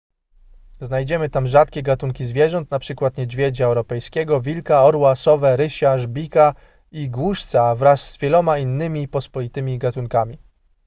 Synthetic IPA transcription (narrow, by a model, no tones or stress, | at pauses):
znajd͡ʑɛmɘt̪amʐat̪̚kʲɛɡat̪uŋkʲizvʲjɛʐɔnt̪napʂɘkwat̪ɲɛd͡ʑvʲjɛd͡ʑaɛwɾɔpɛjskʲɛɡɔvʲilkaɔɾwasɔvɛɾɘɕaʐbʲika | iɡwuʂt̪savɾasːvʲjɛlɔmainːɘmʲipɔspɔlʲit̪ɘmʲiɡat̪uŋkamʲi